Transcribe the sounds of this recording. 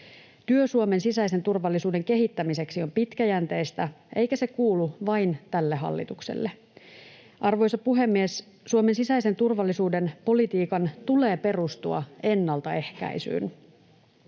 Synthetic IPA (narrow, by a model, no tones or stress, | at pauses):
t̪yøsuome̞nsisæise̞nt̪urʋɑlːisuːde̞ŋke̞ɦit̪ːæmise̞ksiompit̪kæjænt̪e̞jst̪æʔe̞jkæse̞kuːluʋɑint̪ælːeɦɑ̰lːḭt̪uksḛlːe | ʔɑrʋo̞jsɑpuɦe̞mːies | suomensisæjse̞nt̪urʋɑlːisuːde̞npo̞lit̪iːkɑnt̪ule̞ːpe̞rust̪uɑ̰e̞nːɑlt̪ɑe̞hkæ̰isy̰ːn